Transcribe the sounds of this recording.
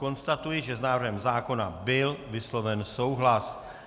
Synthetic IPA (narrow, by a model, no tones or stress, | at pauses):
ko̞nst̪at̪ujɪʒɛznaːvr̩ɦɛmzaːko̞nabɪlvɪslo̞vɛnso̞wɦlas